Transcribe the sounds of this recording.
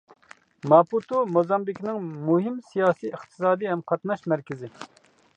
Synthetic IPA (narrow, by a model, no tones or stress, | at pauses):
mɑput̪umozɑmbikʲnɪŋmuɦɪmsijɑːsijəχt̪ʰɨ̥sɑːd̪iɦɛmqʰɑt̪nɑʃmæɾkʲɪzɪ